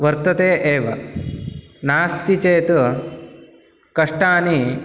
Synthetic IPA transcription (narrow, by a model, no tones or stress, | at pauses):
ʋɐɾt̪ɐt̪eːʔeːʋɐ | naːst̪it͡ʃeːt̪u | kɐʂʈaːni